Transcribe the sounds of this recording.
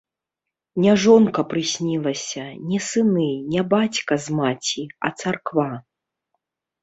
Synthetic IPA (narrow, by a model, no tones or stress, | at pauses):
nʲɛʐɔnkɐpɾɨsʲnʲilˠɐsʲɐnʲɛsɨnɨnʲɛbat͡sʲkɐzmat͡sʲiɐ̰t̪sarkva